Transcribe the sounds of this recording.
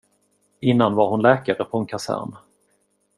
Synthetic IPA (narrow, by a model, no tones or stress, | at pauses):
ɪnːanvaɾhʊnlɛːkaɾəpʰɔɛnkʰasæ̰ɾn